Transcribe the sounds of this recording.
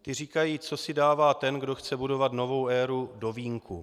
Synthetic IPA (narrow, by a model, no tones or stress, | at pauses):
t̪ɪriːkajiːt͡so̞sɪdaːvaːt̪ɛnɡdo̞xt͡sɛbudo̞vat̪no̞vo̞wʔɛːɾudo̞viːŋku